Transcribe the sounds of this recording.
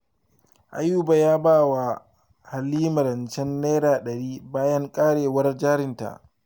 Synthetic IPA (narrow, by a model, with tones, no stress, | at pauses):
ʔa̰˨juː˦baː˨jaː˦baː˦wa˨ | ha˨lːiː˦mɐ˨ɾɐ˨nt͡ʃɛ˦nːeː˦ɾaː˨ɗɐ˨ɾiː˦baː˦jɐ˦ŋkʼaː˦ɽeː˨wɐ˦rd͡ʒaː˦ɾɪ˨nta̰˨ʔ